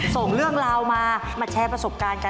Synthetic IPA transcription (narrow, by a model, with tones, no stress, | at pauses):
so˨˩ŋɾɯ˥˩əŋɾaː˧wmaː˧maː˧t͡ɕʰɛː˧˥pɾa˧so˨˩p̚kaː˧nka˧